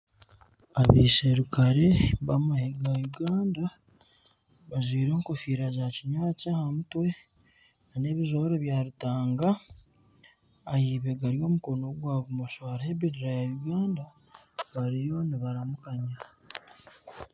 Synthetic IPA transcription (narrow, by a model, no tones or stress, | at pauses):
aβiseɾukaɾe̞βamaheɡajuɡaːnda | βazwiːɾeːŋkofiːɾazaciɲacahamutwe̞ | nane̞ːβizo̞ɾoβjaːɾitaːŋɡa | jiβe̞ɡaɾio̞ːmuko̞no̞ɡwaːβumoʃaːɾaeβiɾiɾajajuɡaːnda | βaɾijo̞niβaɾamukaɲa